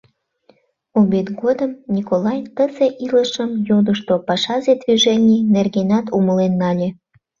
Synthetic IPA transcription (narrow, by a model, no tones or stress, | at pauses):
oβet̪ɡod̪əmnʲikolɑjt̪əzeʔiləʃəmjod̪əʃt̪opɑʃɑzed̪viʒenʲinerɣenɑt̪uməlenːɑlʲe